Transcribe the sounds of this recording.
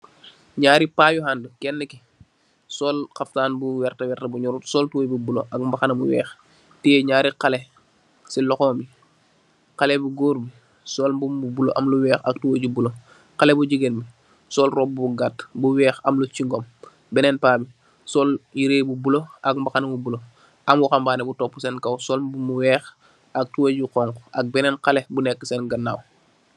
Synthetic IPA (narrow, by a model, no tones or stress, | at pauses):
ɲaːɾipaːjuɦandəkɛnːəki | sɔːlxɐftaːnbuwɛrtɐwɛrtɐbuɲɔɾutsɔːltuwjbubuloʔɐkmbaxɐnɐmuwɛ̰ːx | tiɲaːɾiqɐlɛ | silɔxɔːmbi | qɐlɛbuɡoːɾbi | sɔːlmbumbubulo̰ʔɐmluwɛːxɐk̚tuwoɟubulo | qalebuɟiɡenbi | sɔlrɔp̚bbuɡatbuwɛːxamlut͡ʃiŋɡom | bɛnɛnpaːbi | sɔljiɾeːbubuloak̚mbaxanbubulo | ʔamwuxambaːnɛbutopːusɛnkɐwsɔlbumuwɛːx | ak̚tuwoɟuqɔŋkoʔak̚bɛnɛnqalebunɛkːəseːnɡɐnːaːw